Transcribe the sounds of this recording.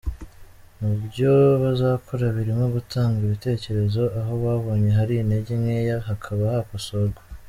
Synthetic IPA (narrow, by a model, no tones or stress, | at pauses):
mubɟo̞βazaːkʰoɾaβiɾimŋo̞ɡutʰaːŋɡiβite̞ːce̞ɾe̞zo̞ʔaɦo̞βwaːβo̞ːɲe̞ɦaɾiːne̞ɟemŋejaɦakʰaβahakosoɾɡwa